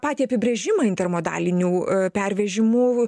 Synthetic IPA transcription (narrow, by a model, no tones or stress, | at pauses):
pɑːt̪ʲiɐpʲɪbʲɾʲɛʒʲɪmɐɪnt̪ʲɛrmoːd̪ɑ̰ːlʲɪnʲuːpʲɛɾʲʋʲɛʒʲɪmuː